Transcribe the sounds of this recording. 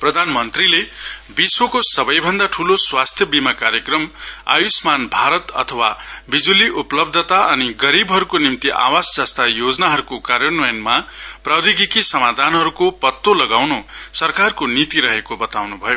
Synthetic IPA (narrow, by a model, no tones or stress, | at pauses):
prʌd̪ʱanmʌnt̪rilebiswokosʌbʌjbʱʌnd̪aʈʰuloswast̪ʰjʌbimakaɾjʌkrʌma̰jusmanbʱaɾʌt̪ʌ̰t̪ʰʌwabid͡zuliʔuplʌb̚d̪ʱʌt̪aʔʌniɡʌɾibɦʌɾukonimt̪iʔa̰wasd͡zʌst̪ajod͡zʌnaɦʌɾukokaɾjʌnʌjʌnmaprawd̪iɡikisʌmad̪ʱanɦʌɾukopʌt̪ːolʌɡawnusʌrkarkonit̪iɾʌɦekobʌt̪awnubʱʌjo